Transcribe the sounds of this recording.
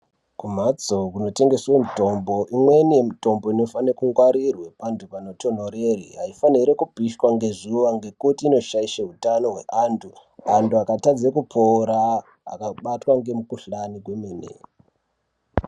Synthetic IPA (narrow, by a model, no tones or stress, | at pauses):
kum̤at͡so̞kuno̞te̞ŋɡe̞swemito̞mbo̞ʔimwe̞nije̞mito̞mbo̞ino̞fanekuŋɡwaɾirwe̞pantʰupano̞to̞n̤o̞ɾeriɦaifaniɾekupiʃwaŋɡe̞ʐiʋaŋɡe̞kutiːno̞ʃaiʃaɦutano̞ɦwe̞̰ʔantʰuantuakatad͡zekupʰoɾa | a̰kaɓatwaŋɡe̞mukuɬaniɡwemeːnḛ